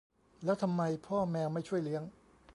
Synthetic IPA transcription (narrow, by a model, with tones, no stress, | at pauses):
lɛː˦˥wt̪ʰa˧mːa˧jpʰɔː˥˩mɛː˧wma˥˩jt͡ɕʰu˥˩əjli˦˥əŋ